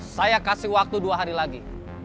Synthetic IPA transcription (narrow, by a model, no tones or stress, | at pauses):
sajakasɪhwak̚t̪uduaɦaɾilaɡi